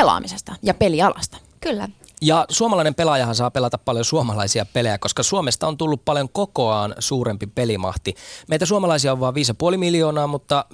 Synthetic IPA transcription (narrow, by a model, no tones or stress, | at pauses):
elɑ̰ːmisest̪ɑjɑpeliɑlɑst̪ɑ̥ | kylːæ | jɑsuomɑlɑinempelɑjɑɦɑnsɑːpelɑt̪ɑppɑljosuomɑlɑisiɑpelejæko̞skɑsuomest̪ɑont̪ulːuppɑljoŋkokoɑːnsuːɾempipelimɑ̰ht̪imeit̪æsuomɑlɑisiɑoʋɑːʋʋiːsjɑpuolimiljoːnɑːmut̪ːɑ